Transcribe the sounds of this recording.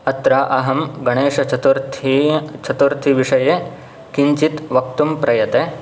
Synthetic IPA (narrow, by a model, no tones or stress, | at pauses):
ɐt̪ɾaːʔɐɦɐmɡɐɳeːʂɐt͡ʃʰɐt̪uɾt̪ʰit͡ʃʰɐt̪uɾt̪ʰiʋiʂɐje | kiɲt͡ʃit̪ʋɐk̚t̪umpɾɐjɐt̪e